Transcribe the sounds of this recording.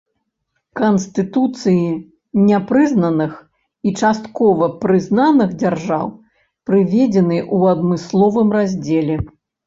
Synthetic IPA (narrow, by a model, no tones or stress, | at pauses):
kɐnst̪ɨt̪ut̪sɨji | nʲɛpɾɨznɐnɨx | it͡ʂast̪kɔvɐpɾɨznanɨɣd͡zʲarʐaw | pɾɨvʲed͡zʲɛnɨʔuɐd̪mɨslˠɔvɨmrazʲd͡zʲelʲɛ